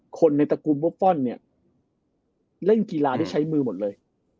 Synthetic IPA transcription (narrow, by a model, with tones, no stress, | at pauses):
kʰo˧nːa˧jt̪a˧kuː˧nbu˥˩fɔ˥˩nːi˥˩ɐ | le˥˩ki˧laː˧da˥˩t͡ɕʰa˦˥jmɯː˧mo˨˩t̪̚lɤː˧j